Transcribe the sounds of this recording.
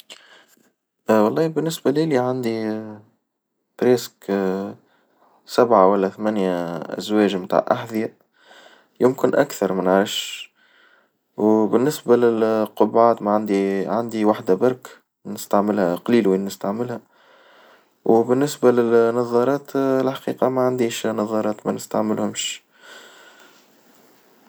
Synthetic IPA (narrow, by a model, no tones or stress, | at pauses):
wɑlˤːɑːbɪnːɪsbæliliʕand̪i | bɾesk | sabʕawælːæθmænjaʔæ̰zwɛːʒmt̪a̰ʕʔaħðɪja | jʊmkɪnʔakθɑɾˤmɪnʕaɪʃ | wbɪnːɪsbælɪlqʊbʕaːt̪mæʕand̪iʕand̪iwaħd̪abɑɾˤk | nɪst̪aʕmɪlhæqɑliːlwinːəst̪aʕmɪlhæ | wbɪnːɪsbalɪnːɑðˤːɑɾˤɑːt̪lħḁqiːqɑmæʕand̪iːʃnɑðˤːɑɾˤɑːt̪mænɪst̪aʕmɪlhʊmʃ